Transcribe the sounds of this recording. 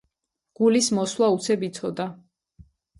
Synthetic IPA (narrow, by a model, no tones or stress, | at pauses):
ɡ̥ulismɔswlaut̪sʰɛbit̪sʰɔd̪a